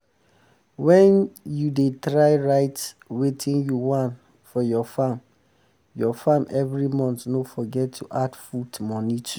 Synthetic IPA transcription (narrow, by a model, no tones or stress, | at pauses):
wɛ̃njudetɹaɪɹaɪt | wetʰĩnjuwãn | fɔjɔfam | jɔfãmʔɛvɹimɔ̃ntnofɔɡɛtʰːuʔadfudmɔnitʰu